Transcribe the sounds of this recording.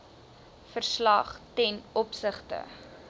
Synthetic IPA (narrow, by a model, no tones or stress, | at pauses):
fərslɐχtɛnɔpsəχtə̰